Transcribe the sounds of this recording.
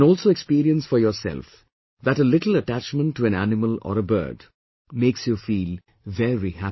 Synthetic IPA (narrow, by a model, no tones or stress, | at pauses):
nɔːlˠsoekspiːɾiə̃nsfɔɾjɔːɾsɛ̰lf | ðæʈəlɪʈl̩əʈæt͡ʃmə̃nʈʰːuæ̃næ̰nɪməlɔ̰ɾəbɜ̰ːɖ | meːksjufiːl | vɛɹihæ